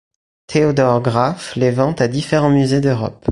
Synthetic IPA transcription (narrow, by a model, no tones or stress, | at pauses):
t̪ʰeod̪ɔʁɡʁaflevɑ̃t̪ad̪ifeʁɑ̃myzed̪øʁɔ̰p